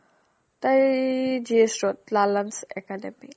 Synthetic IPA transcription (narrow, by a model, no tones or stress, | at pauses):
t̪a | d͡ʒisɾɔt̪̚lalansɛkadɛmi